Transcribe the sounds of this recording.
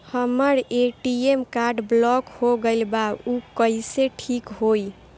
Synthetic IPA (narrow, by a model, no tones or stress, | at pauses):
həməɾeʈiemkaɾɖblɔkhoɡəɪlbaukəiseʈʰikɦoj